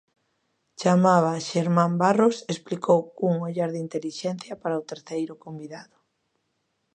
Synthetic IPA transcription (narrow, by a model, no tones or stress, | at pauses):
t͡ʃamaβaʃeɾmãmbarosesplikowkuŋoʎaɾðint̪eliʃɛn̟θjɐpaɾaʊt̪eɾθejɾʊkombiðaðʊ